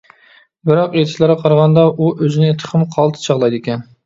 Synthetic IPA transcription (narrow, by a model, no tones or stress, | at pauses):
bɪɾɑqet̪ʰɪ̥ʃlɪɾqʰɑɾʁɑnd̪ɑʔuʔøzɪnɪt̪ʰə̥χəmqʰɑlˠt̪ʰɨ̥t͡ʃʰɑʁlˠɑjd̪ɪkʲɛn